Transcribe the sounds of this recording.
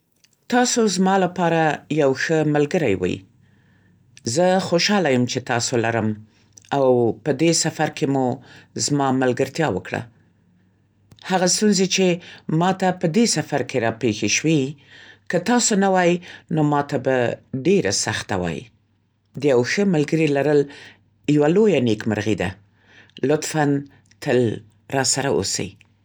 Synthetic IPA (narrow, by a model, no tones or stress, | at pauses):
t̪ɑsozmɑlapɑɾajawxəmalɡəɾajwə̰j̰ | zəxoʃɑlajəmt͡ʃet̪ɑsolaɾəm | awpəd̪esafaɾkʰemuzmɑmalɡəɾt̪jɑwə̰kɽa̰ | haɣast̪unzet͡ʃemɑt̪apəd̪esafaɾkʰeɾɑpexeʃwikət̪ɑsonawɑjinomɑt̪abaɖeɾa̰saxt̪awɑ̰jḭ | d̪əjawxəmalɡəɾilaɾəl | jawalojanekməɾɣid̪a̰ | lʊt̪fan | t̪ʰəl | ɾɑsaɾa̰ʔo̰sə̰j